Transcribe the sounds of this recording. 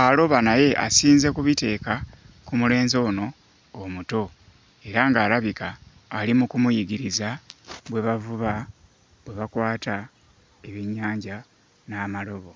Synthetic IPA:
alo̞βanaje̞ʔa̰siːnze̞kuβite̞ːkakumule̞ːnzo̞ːno̞ː | muto̞ | e̞ɾaŋɡaːlaβikaː | limukumujiɡiɾizaβwe̞βavuβa | βwe̞βakwaːta | e̞βiɲːaːɲɟa | naːmalo̞βo̞

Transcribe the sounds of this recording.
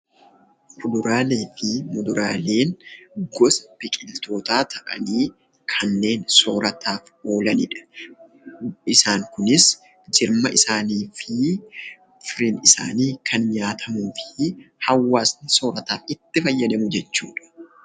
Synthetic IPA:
mʊd̪ʊɾaːleːfɪmʊd̪ʊɾaːle̞ːnɡɔsɐ̥b̥ɪkʼɪlt̪o̞ːt̪aːt̪ʰɐʔɐ̰niː | kʰɐnːe̞ːnsoːɾɐt̪ʰaːf | o̞ːlɐnɪ̰ᶑɐ̥ | ɪsaːŋkʊnɪs | d͡ʒɪɾmɐʔɪsaːniːfɪ | fɾɪnɪsa̰ːniːkʰɐnɲaːt̪ʰɐmuːfɪ̥hɐwːaːsnɪso̞ːɾɐt̪aːfɪt̪ːɪfɐjːɐd̪ɐmʊd͡ʒɛt͡ʃːuːᶑɐ̥

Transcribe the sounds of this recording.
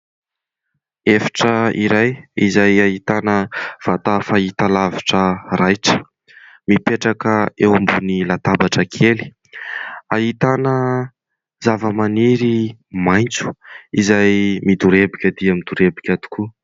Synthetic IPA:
efḁʈ͡ʂəiɾajizajaɦit̪anəv̥at̪afait̪alaviʈ͡ʂərajʈ͡ʂə̥ | mipeʈ͡ʂakəewambunilat̪abaʈ͡ʂəkʰeli̥ | aɦit̪anə | zavəmaniɾimajnt͡su̥izajmid̪uɾebikʲəd̪iamid̪uɾebikʲat̪u̥ku

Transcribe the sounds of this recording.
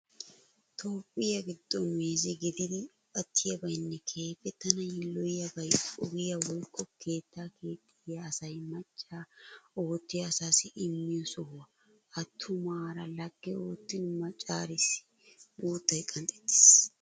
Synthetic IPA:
t̪ʰo̞ːpʼːɪjɐɡɪd̪̥ːɔnmeːzɪɡɪd̪ɪd̪ɪ | ɐt̪ʰːɪjɐbɐjnːɛkʰe̞ːfɛt̪ːɐnɐjɪlːɔjjɐbɐjʼɔɡɪjɐwɔjkːɔkʰe̞ːt̪ːaːkeːt̪ːɪjɐːsɐjmɐt͡ʃʼːaːoːt̪ːɪjɐsaːsɪʔɪmːɪjɔsɔhʊwɐ | ɐt̪ʰːʊmaːɾɐlɐɡ̥ːɛoːt̪ːɪnmɐt͡ʃʼːaːɾɪsɪ̥ | buːt̪ːɐjkʼɐnt̪ʼɛ̥t̪ːɪ̥s

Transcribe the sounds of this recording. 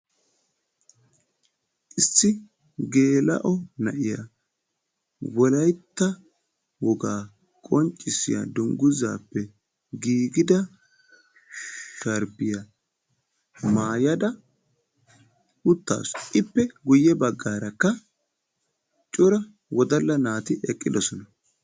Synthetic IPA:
ʔɪsːɪ | ɡe̞ːlɐ̰ʔɔnɐʔɪja̰ | wɔlɐjt̪ːɐ | wɔɡaː | kʼɔnt͡ʃʼːɪsɪ̰jɐ̰d̪ʊŋɡʊza̰ːpːɛ | ɡiːɡɪd̪ɐ | ʃɐɾbɪjɐ | maːjɐd̪ɐ | ʊt̪ːa̰ːsʔɪpːɛɡʊjːɛbɐɡːaːɾɐkːɐ | t͡ʃʼʊɾɐ | wɔd̪ɐlːɐnaːt̪ɪʔɛkʼːɪd̪ɔsɔnɐ

